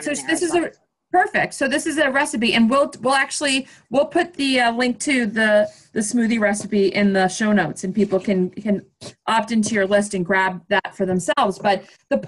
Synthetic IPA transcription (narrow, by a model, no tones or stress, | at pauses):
soʊðɪsɨzɨ | pʰɜ˞fɪk̚tsoʊðɪsɨzɨɹɛsɨp̬iʔɨ̃nwɪlˠwɪlˠæk̚t͡ʃʉl̩ˠi | wɪlˠpʰʊt̪̚ðɨʌlɪ̃ŋk̚tʰʉðɨ | ðɨsmʉðiɹɛsɨpiʔɪ̃nðəʃoʊnoʊtsɨ̃npipl̩ˠkʰɨ̃nkʰɨ̃nʔɑp̚tɪ̃ntʰʉjə˞lɪs̬tɨ̃nɡɹæb̚ðətfə˞ðə̃msɛlˠvzb̥ʌt̪̚ | ðɨpʰ